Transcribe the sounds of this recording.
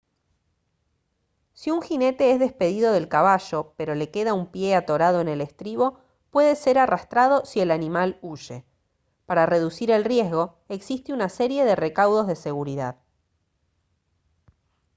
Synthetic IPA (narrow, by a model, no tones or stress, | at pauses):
siuŋxine̞t̪e̞ezðe̞spe̞ðiðo̞ð̞e̞lkaβ̞aʒo̞pe̞ɾo̞le̞ke̞ðaumpje̞at̪o̞ɾaðo̞ene̞le̞st̪ɾiβo̞ | pwe̞ðe̞se̞ɾarast̪ɾað̞o̞sie̞lanimaluʒe̞ | paɾare̞ðusiɾe̞lrje̞zɣo̞ | e̞ksist̪eunase̞ɾje̞ðere̞kawðo̞zð̞e̞se̞ɣuɾiðað